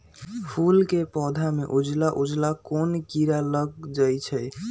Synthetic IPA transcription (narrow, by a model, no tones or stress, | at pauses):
pʰulkepɔd̪ʱameʔud͡ʒlaʔud͡ʒlakonkiɾaləɡ̚d͡ʒajt͡ʃʰəj